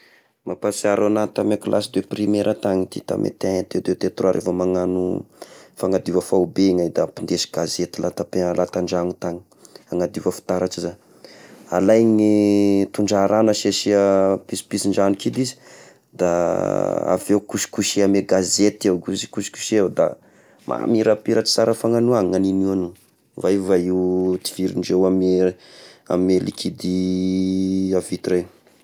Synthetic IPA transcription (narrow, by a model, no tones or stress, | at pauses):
mapasiaɾanat̪amakulʔasid̪weprimeɾʔət̪aŋit̪it̪a̰mʔḛt̪eat̪ed̪et̪et̪raɾʔḛfəmaŋanu | faŋad̪iwəfaubeŋajd̪apind̪esi̥ɡ̥azet̪ilʔat̪apelʔat̪aɳɖ͡ʐaŋut̪aŋi̥ | aŋad̪iwəfi̥t̪aɾaʈ͡ʂiza | alajŋit̪uɳɖ͡ʐaɾanəʃaʃiəpisi̥pisiɳɖ͡ʐanikʰid̪izi̥ | d̪a | a̰vewkuʃi̥kuʃiameɡazet̪iewɡuzi̥kusi̥ku̥ʃed̪a̰ | mʔa̰miɾapiɾaʈ͡ʂi̥saɾəfaŋanuaŋaninianu | vaivaiwt̪i̥v̥iɾinɖ͡ʐewame | a̰mielikʰid̪i | avit̪iɾen